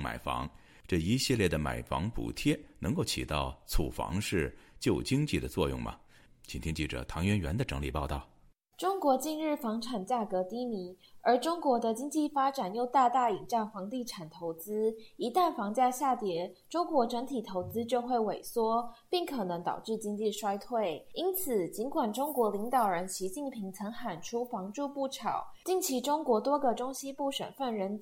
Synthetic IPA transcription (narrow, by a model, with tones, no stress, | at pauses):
ma̰˨˩ɪfɑ̰˧˥ŋ | ʈ͡ʂɤ˥˩i˧˥ɕji˥˧ljɛ˥˩d̪ə˩ma̰˨˩ɪfɑ̰˧˥ŋpṵ˨˩t̪ʰjɛ˥nɤ˧˥ŋko˥˩ʊt͡ɕʰḭ˨˩t̪ɑ˥˩ʊt͡sʰṵ˨˩fɑ̰˧˥ŋʂɻ̩˥˧t͡ɕjo˥˩ʊt͡ɕi˥ŋt͡ɕi˥˩d̪ə˩t͡swɔ˥˧jʊ̰˥˩ŋmɐ̰˩ | t͡ɕʰi˨˩nt̪ʰi˥ŋt͡ɕi˥˩ʈ͡ʂɤ̰˨˩t̪ʰɑ˧˥ŋɥɛ˧˥nɥɛ̰˧˥nd̪ə˧ʈ͡ʂɤ˧˥ŋli˨˩pɑ˥˧ʊt̪ɑ˥˩ʊ | ʈ͡ʂʊ˥ŋkwɔ˧˥t͡ɕi˥˧nɻɻ̩˥˩fɑ˧˥ŋʈ͡ʂʰa˨˩nt͡ɕja˥˩kɤ˧˥t̪i˧˥mi˧˥ | ə˞˧˥ʈ͡ʂʊ˥ŋkwɔ˧˥d̪ə˧t͡ɕi˥ŋt͡ɕi˥˩fa˥ʈ͡ʂa˨˩njo˥˧ʊt̪a˥˧t̪a˥˩i˨˩ŋʈ͡ʂɑ˥˩ŋfɑ˧˥ŋt̪i˥˩ʈ͡ʂʰa˨˩nt̪ʰo˧˥ʊt͡sɹ̩˥i˧˥t̪a˥˩nfɑ˧˥ŋt͡ɕja˥˧ɕja˥˩t̪jɛ˧˥ʈ͡ʂʊ˥ŋkwɔ˧˥ʈ͡ʂə˧˥ŋt̪ʰi˨˩t̪ʰo˧˥ʊt͡sɹ̩˥t͡ɕjo˥˧ʊxwe˥˩ɪwe˨˩ɪswɔ˥pi˥˩ŋkʰɤ˨˩nɤ˧˦ŋt̪ɑ̰˨˩ʊʈ͡ʂɻ̩˥˩t͡ɕi˥ŋt͡ɕi˥˩ʂwa˥ɪt̪ʰwe˥˩ɪi˥nt͡s̩ʰ˨˩t͡ɕi˧˥nkwa˨˩nʈ͡ʂʊ˥ŋkwɔ˧˥li˧˥ŋt̪ɑ˨˩ʊɻə˧˦nɕi˧˥t͡ɕi˥˩npʰi˧˥ŋt͡sʰɤ˧˥ŋxa˨˩nʈ͡ʂʰu˥fɑ˧˥ŋʈ͡ʂu˥˧pu˥˩ʈ͡ʂʰɑ˨˩˦ʊt͡ɕi˥˩ŋt͡ɕʰi˧˥ʈ͡ʂʊ˥ŋkwɔ˧˥t̪wɔ˥ɡə˨ʈ͡ʂʊ˥ŋɕi˥pu˥˩ʂə̰˨˩nfə˥˩nɻə˧˥n